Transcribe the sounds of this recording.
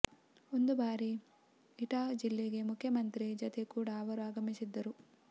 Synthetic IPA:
o̞nd̪ubaːɾi | iʈaːd͡ʒilːeɡe̞mukʰjɐmɐnt̪ɾid͡ʒot̪e̞kuːɽaːʋɐɾuaːɡɐmisid̪ːɐɾu

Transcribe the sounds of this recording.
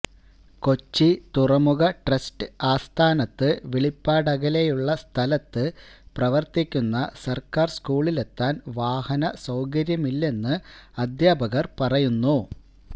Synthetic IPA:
ko̞t͡ɕːit̪urɐmuɣɐʈrɐsʈɨaːst̪ʰaːnɐt̪ːɨʋiɭipːaːɽɐɣɐlejuɭːɐst̪ʰɐlɐt̪ːɨprɐʋɐrt̪ikʲːunːɐsɐrkaːrskuːɭile̞t̪ːaːnʋaːhɐnɐsɐwkɐɾjɐmilːe̞nːɨɐd̪ʱjaːbɐɣɐrpɐrɐjunːu

